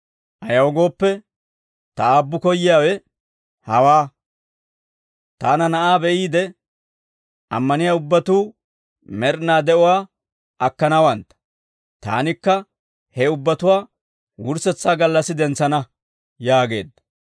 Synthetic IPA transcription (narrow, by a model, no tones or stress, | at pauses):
ʔɐjɐwɔɡo̞ːpːɛ | t̪ɐaːbːʊkɔjːɪjaːwɛ | hɐwaː | t̪aːnɐnɐʔaːbɛʔiːd̪ɛ | ʔɐ̰mːɐnɪjaːʊbːɐt̪uː | mɛɾnaːd̪ɛɔwaː | ʔɐkːɐnɐwɐnt̪ːɐ̥ | t̪a̰ːnɪkːɐ | hɛʊbːɐt̪ʊwaː | wʊɾsɛt͡sːaːɡɐlːɐsːɪd̪ɛnt͡sːɐnɐ | jaːɡe̞̰ːd̪ːɐ